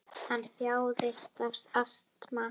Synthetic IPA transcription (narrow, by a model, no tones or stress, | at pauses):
hanːθjaːwðɪst̪afsast̪ma